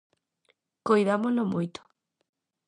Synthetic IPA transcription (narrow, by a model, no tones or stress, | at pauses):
kojðamolomujt̪o̥